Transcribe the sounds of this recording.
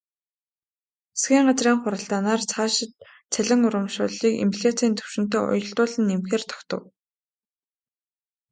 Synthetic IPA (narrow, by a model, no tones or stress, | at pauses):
sɡʲiːŋɢat͡sriːŋχʊɾə̆ɬt̪aːnaːrt͡sʰaːʃɪ̆t̪ | t͡sʰæɮʲɪ̆ŋʊɾə̆mʃʊːɮiːkḭmpɮʲet͡siːnt̪ʰɵ̥w̥ʃɪ̆n̥t̪eːʔɔ̰jɞ̆ɬt̪ʊːɮɘ̆nemxeːrt̪ʰɔ̥kt̪ə̆w